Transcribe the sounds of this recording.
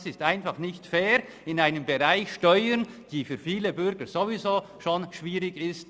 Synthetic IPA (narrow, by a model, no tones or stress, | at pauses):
sɪstaɪnfaχnɪçtfɛːɾ | ɪnaɪnəmbeʁaɪçʃtɔʏənd̥iːfyːfiːləbʏɾɡəz̥ovizoːʃoːnʃv̥iːɾɪɡɪst